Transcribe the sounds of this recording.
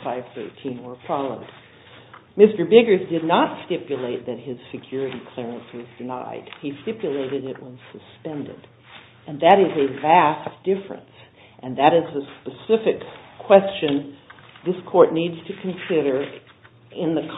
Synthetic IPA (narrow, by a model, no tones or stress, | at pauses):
faɪv̥θɜ̰˞tʰĩnwə˞fʰɑlˠoʊd̥̚ | mɪstə˞bɪɡə˞zdɨdⁿnətstɪpjɨleɪt̪̚ðɨt̚hɪz̥fɨkʰj̥ʊɹɨɾikʰl̥ɛɹɨ̃nswʌzdɨna̰ɪd̥̚istɪpjɨleɪɾɨɾɪʔwʌz̥sɨspɛ̃ndɨ̰ɾ | ɨ̃nðɨɾɨzɨvæsd̥ɪfɹɨ̰̃ns | ʔɨ̃nðɨɾɨzɨspɨsɪfɨkʰw̥ɛst͡ʃɨ̃n | ðɪskʰɔɹtⁿnidz̥tʰɨkʰɨ̃nsɪɾə˞ | ɪ̃nðɨkʰ